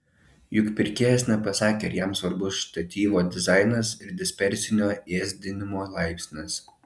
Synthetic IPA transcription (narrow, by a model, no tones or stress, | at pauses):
jʊkʲpʲɪɾʲkʲeːjɛsʲnʲɛpɐsɑːkʲeɐɾjɛmsʋɐɾbʊsʃt̪ɐt̪ʲiːʋoːd̪ʲɪzɑˑɪnɐsɪɾd̪ʲɪsʲpʲɛɾʲsʲɪnʲoːeːzʲd̪ʲɪnʲɪmoːlˠɑˑɪpʲsʲnʲɪs